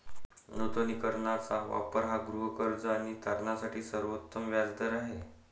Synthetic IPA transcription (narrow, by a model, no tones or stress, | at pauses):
not̪onikəɾɳat͡saʋa̰pəɾɦaɡɾuɦəkəɾd͡zəaɽ̃it̪aɾɳasaʈʰiːsəɾʋot̪ːəmʋjalt̪əɾaɦe